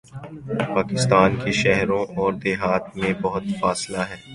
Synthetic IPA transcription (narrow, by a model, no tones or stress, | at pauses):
paːkɪst̪aːnkiʃɛɦɾõʔɔːɾd̪ɪːɦaːt̪mẽbɐɦʊt̪faːslaɦɛː